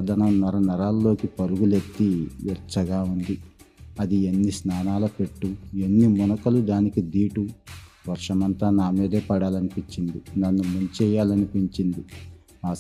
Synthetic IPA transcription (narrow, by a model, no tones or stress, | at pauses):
d̪ʱɐnɐmnɐɾɐnɐɾaːlːo̞ːkipɐɾuɡulet̪ːiʋɛɾt͡ʃɐɡaːund̪iɐd̪ienːisnaːnaːlɐpe̞ʈːue̞nːimɔnɐkɐlud̪aːnikid̪iːʈuʋɐɾʂɐmɐnt̪aːnaːmeːd̪eːpɐɽaːlɐnipiɲt͡ʃind̪inɐnːumuɲt͡ʃɛːjaːlɐnipiɲt͡ʃind̪i | aː